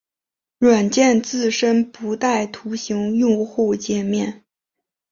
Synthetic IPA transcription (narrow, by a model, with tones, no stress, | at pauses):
ɻwa˨˩nt͡ɕjɛ˥˧nt͡sɹ̩˥˩ʂə˥npu˧˥t̪a˥˩ɪt̪ʰu˧˥ɕi˧˥ŋjʊ˥˧ŋxu˥˩ʊt͡ɕjɛ˥˩mjɛ˥˩n